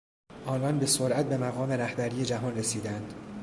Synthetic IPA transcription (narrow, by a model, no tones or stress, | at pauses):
ʔɒːnɒːnbe̞soɾʔæt̪̚be̞mæɣɒːme̞ɾæhbæɾiːje̞d͡ʒæɦɒːnresiːd̪ænd̪